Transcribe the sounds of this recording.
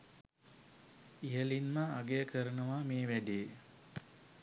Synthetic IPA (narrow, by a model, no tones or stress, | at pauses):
ijəlinməːɡejəkʰəɾənəʋameːʋæɖeː